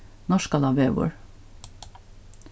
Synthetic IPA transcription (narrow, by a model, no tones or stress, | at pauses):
nɔʃkɑlɑːʋeːʋṵɹ